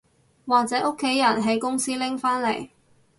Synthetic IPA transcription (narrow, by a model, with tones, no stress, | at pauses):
waː˨k̚t͡sɛː˨˥ʔo˥kʰːe˨˥jːɐ˨˩nɦe˨˥jkʊ˥ŋsiː˥lɪ˥ŋfaː˥nle˨˩j